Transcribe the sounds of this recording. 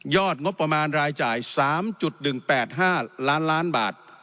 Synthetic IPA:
jɔː˥˩t̪̚ŋo˦˥pːɾa˧maː˧nɾaː˧jt͡ɕaː˨˩jsaː˩˦mt͡ɕu˨˩t̪̚nɯ˨˩ŋpɛː˨˩t̪̚ɦaː˥˩laː˦˥nlaː˦˥nbaː˨˩t̪̚

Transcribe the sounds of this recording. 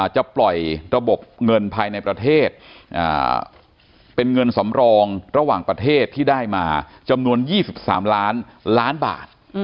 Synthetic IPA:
t͡ɕa˨˩ʔplɔ˨˩jɾa˧bo˨˩p̚ŋɤ˧npʰaː˧jna˧jpɾa˧t̪ʰeː˥˩t̪̚ʔa̰ː˨˩ | pe˧nŋɤ˧nsa˩˦mɾɔː˧ŋɾa˧waː˨˩ŋpɾa˧t̪ʰeː˥˩t̪ʰːiː˥˩daː˥˩jmaː˧ | t͡ɕa˧mnu˧ənjiː˥˩si˨˩p̚sa̰ː˩˦mlaː˦˥n | laː˦˥nba̰ː˨˩t̪̚

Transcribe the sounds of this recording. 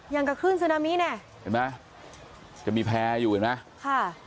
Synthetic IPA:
ja˧˩ŋka˧˩kʰɯː˥˩ns̬ɯ˧naː˧miː˦˥nɛ˧˩ | ha˧˩ma˦˥ | t͡ɕa˨˩miː˧pʰɛː˧juː˨˩ka˨˩na˦˥kʰa˥˩

